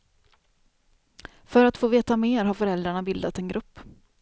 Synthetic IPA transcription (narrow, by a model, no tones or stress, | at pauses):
fœɾat̪foːveːt̪ameːɾɦaɾfœɾɛld̪ɾaɳabɪld̪at̪ɛnɡɾʔɵpː